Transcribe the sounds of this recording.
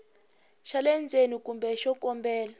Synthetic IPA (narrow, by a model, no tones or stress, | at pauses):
ʃalɛnd͡zʱenikumbɛʃɔkʼɔmbɛːla